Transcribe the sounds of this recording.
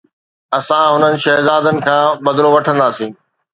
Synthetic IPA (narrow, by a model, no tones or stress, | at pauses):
ɐsãɦʊnənɪ̆ʃɐɦzaːd̪ənɪ̆kʰãːbɐd̪loʋɐʈʰə̃nd̪aːsĩː